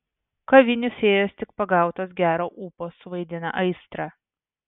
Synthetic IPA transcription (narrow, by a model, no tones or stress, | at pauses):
kɐʋʲɪnʲʊsʲeːjoːst̪ʲɪk̚pɐɡɑˑʊt̪oːs̬ɡʲæːɾoːʔuːpoːsʊʋɐɪd̪ʲɪnɐ̰ʔɐɪst̪ɾɑː